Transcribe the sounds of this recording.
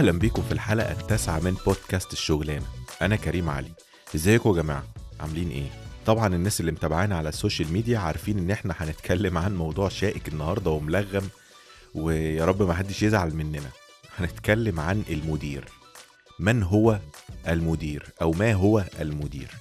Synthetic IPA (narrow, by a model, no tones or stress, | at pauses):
ʔʔæhlæmbiːkomfilħaːlʔæ̰ʔæ̰t̪ːæsʕamenboːd̪̚kæːst̪eʃːoɣlæːnæʔænækæɾiːmʕa̰li | ʔezːæːjekwæɡæma̰ːʕaʕa̰mliːnʔḛːt̪ˤɑbʕɑnenːæːselːimet̪æbaʕaːnʕalæsːoːʃælmiːd̪ijæʕaɾˤfiːnʔenːʔeħnæħænet̪kʰælːemʕanmɑwd̪ˤuːʕʃæːʔekenːɑhɑɾˤd̪ˤɑwemlæɣːæm | wejæːɾˤɑbːmæħad̪ːeʃjezʕalmenːenæ | ħænet̪kælːemʕanʔelmod̪iːɾ | mænɦowæʔælmod̪iːɾʔæwmæːɦowæʔælmod̪ḭːɾ